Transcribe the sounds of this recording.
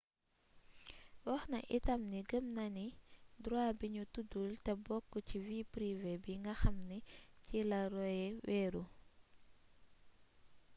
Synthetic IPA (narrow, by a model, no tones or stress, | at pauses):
wɐxnɐʔḭtɐmniɡəmnɐnidɾwaːbiɲutudultɛbɔkːəciviːpɾivɛbiŋɡɐxɐmnicilɐɾɔjɛwɛːɾu